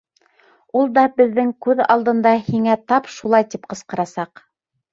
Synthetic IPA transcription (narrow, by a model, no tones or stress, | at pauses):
ulˠd̪ɑbɘ̆ðːɘŋkʉðɑ̰lˠd̪ɤ̆nd̪ɑhiŋæt̪ɑpʃulˠɑjt̪ipqɤ̆sqɤ̆ɾɑsɑq